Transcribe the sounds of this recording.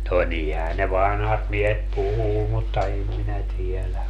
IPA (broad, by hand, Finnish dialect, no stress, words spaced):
no nihæː ne ʋɑnhɑt miehet puhuː mutːɑ em minæ tiɛlæ